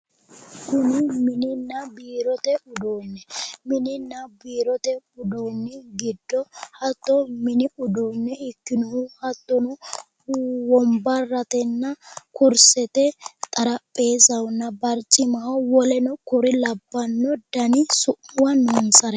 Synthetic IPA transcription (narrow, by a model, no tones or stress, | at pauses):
kʊnɪmɪnɪnːɐbiːɾɔt̪ɛʔʊd̪onːɛmɪnɪnːɐbiːɾɔt̪ɛʊd̪ɔnːɛɡɪd̪ːɔhɐt̪ːɔmɪnɪʔʊd̪ɔnːɛɪkːɪnɔhʊhɐt̪ːɔnʊ | wɔmbɐɾɐt̪ɛnːɐkʊɾsɛt̪ɛt̪ʼɐɾɐpʼːe̞ːzɐwʊnːɐbɐɾt͡ʃʼːɪmɐhɐwɔlɛnɔkʊɾɪlɐbːɐnːɔd̪ɐnɪsʊʔʊwɐnʊnsɐɾɛ